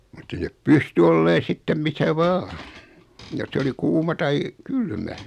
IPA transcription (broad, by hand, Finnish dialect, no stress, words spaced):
mutː ei nep pysty olːeːn̞ sitːem misæ ʋɑː jos se oli kuːmɑ tɑi kylmæ